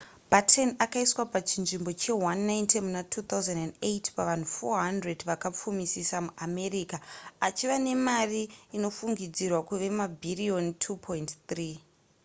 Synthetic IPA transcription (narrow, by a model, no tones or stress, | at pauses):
batʰenakaiswapat͡ʃinʐimbo̞t͡ʃe̞wanːaintemunatʰuːt̪auzendandejtpaʋan̤ufoɦandredʋakap͡fumisisamuʔame̞rikaat͡ʃiʋane̞mariːno̞fuŋɡid͡zirwakuʋe̞mabʱiriontʰupʰointt̪riː